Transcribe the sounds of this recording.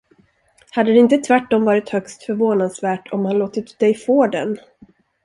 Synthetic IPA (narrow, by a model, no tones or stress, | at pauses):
had̪ːəd̪ɛɪnt̪ət̪ʰvæʈːɔmvɑːɾɪt̪hœkst̪fœɾvoːnad̪svæːʈʰɔmhanloːt̪ət̪d̪ɛjfoːd̪ɛ̰n